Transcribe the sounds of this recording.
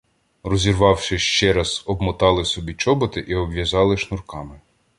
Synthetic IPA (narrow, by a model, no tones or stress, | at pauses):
rɔzʲirʋɑwʃɪʃt͡ʃɛɾɑzɔbmɔt̪ɑlˠɪsɔbʲit͡ʃɔbɔt̪ɪʔiɔbʋjɐzɑlˠɪʃnʊrkɑmɪ